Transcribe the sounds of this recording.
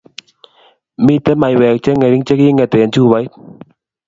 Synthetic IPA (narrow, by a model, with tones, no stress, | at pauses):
mi˦t̪e˧˦ma˨jwɛ˨k̚t͡ʃɛ˦ŋe˨˧ɾi˦ŋt͡ʃe˦ki˦ŋɛ˨˧˨t̪e˨nt͡ʃu˦˨ba˨˦jt